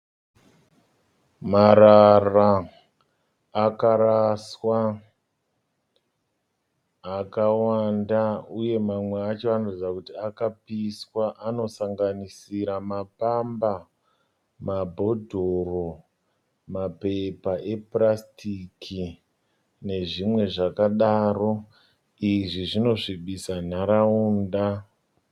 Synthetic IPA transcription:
maɾara | kaɾaswa | kawandauje̞mamwe̞at͡ʃo̞anorid͡zakutiakapiswaʔano̞saŋɡanisiɾamapamba | mabʱo̞dʱo̞ro̞ | mape̞paʔe̞prastikʰi | ne̞ʐimwe̞ʐakaɗaro̞ | iʐiʐino̞ʐiɓisan̤aɾauːnda

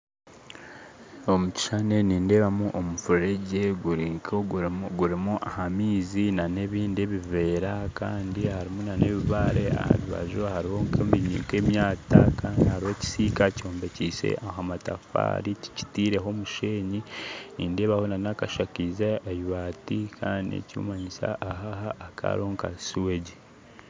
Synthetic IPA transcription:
omuci̥ʃane̞niːnde̞ːβamuʔomufuɾɾeɟe̞uɾŋkoɡuɾimuʔahamiːzinane̞βiːnde̞βive̞ːɾakaːndihaɾimonane̞βiβaɾea̰a̰βiβa̰ʒohaɾiho̞ŋkemiɲḭŋke̞ːmjaːtakaːndihaɾihoci̥sikaco̞ːmbe̞cisḛʔaɦamatafa̰ːɾicici̥tiːɾe̞ɦo̞muʃe̞ːɲiiːndeːβahonanakaʃakizaajuβatikʰaːndiḛcṵːmaɲisa̰ʔːɦahaːkʰa̰ɾioŋka̰siwe̞ɟe

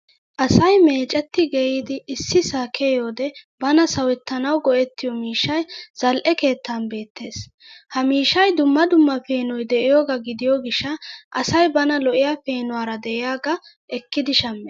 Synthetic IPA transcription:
ʔɐsɐjme̞ːt͡ʃʼɛt̪ːɪɡɛjiːd̪ɪːsːɪsaːkʰejo̞ːd̪ɛbɐnɐsɐwɛt̪ːɐnɐwɡɔʔɛt̪ːɪjɔmiːʃːɐjz̥ɐlʔɛke̞ːt̪ʰːaːnbe̞ːt̪ːe̞ːs | hɐmiːʃːɐjd̪ʊmːɐd̪ʊmːɐfe̞ːnɔjd̪ɛʔɪjoːɡɐɡɪd̪ɪjoɡɪʃːɐʔɐsɐjbɐnɐlɔʔɪjaːfe̞ːnʊwaːɾɐd̪ɛʔɪjaːɡɐ | ʔɛkːɪd̪ɪʃɐmːɛ

